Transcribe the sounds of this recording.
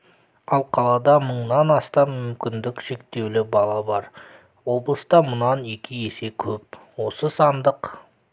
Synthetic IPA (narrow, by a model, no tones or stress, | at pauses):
ɑlˠqʰɑlˠɑd̪ɑməɴnɑnɑst̪ɑmːʏmkʲɪnd̪ɪkʃe̞kt̪e̞wlɪbɑlˠɑbɑɾ | wo̞blˠəst̪ɑmʊnɑne̞kʲʰɪje̞se̞kʲʰɵp̚wo̞səsɑnd̪əq